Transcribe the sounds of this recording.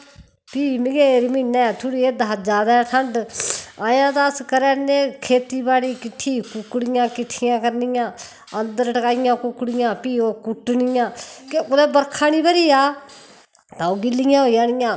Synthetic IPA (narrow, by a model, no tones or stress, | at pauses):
piːmɪɡeːɾmiːnːɛ̃ːt̪ʰʊɽiːeːd̪aːd͡ʒaːd̪aɛːʈʰəɳɖaːjãːt̪aːskəɾɛːnẽːkʰeːt̪iːbaːɽiːkɪʈʰːiːkʊkːɽɪjãːkɪʈʰːɪjãːkəɾnɪjãː | ənd̪əɾʈəkaːɪjãːkʊkːɽɪjãːpiːoːkʊʈːnɪjãːkeʊlɛːbəɾkʰaːniːbəɾiːaː | t̪ãːoːɡɪlːɪjãːɦoːijãːnɪjãː